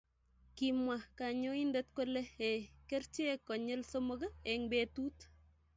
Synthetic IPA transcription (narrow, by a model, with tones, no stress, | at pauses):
kimwa˨ka˨ɲo˦i˦ndɛ˦t̚ko˦le˦e˨kert͡ʃe˦kɔ˨ɲɛ˦lsomo˦kaɛŋbetu˦t